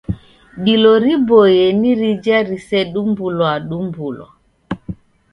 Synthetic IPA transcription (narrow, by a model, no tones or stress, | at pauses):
ɗilɔɾibɔjɛniɾid͡ʒaɾisɛɗumbulwaɗumbulwa̰